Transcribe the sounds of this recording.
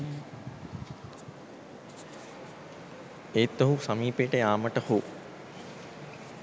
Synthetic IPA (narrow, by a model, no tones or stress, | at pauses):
eːt̪ːoɦusamiːpeʈəjaːməʈəhu